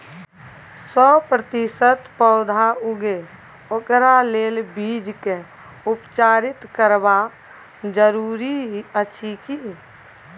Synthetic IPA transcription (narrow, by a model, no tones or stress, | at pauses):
sɔːpɾət̪ɪsət̪pəːd̪ʱaʊɡe | okɾaleːlbiːd͡ʒke | ʊpt͡ʃaːɾɪt̪kəɾba | d͡ʒəɾuːɾiət͡ʃʰiki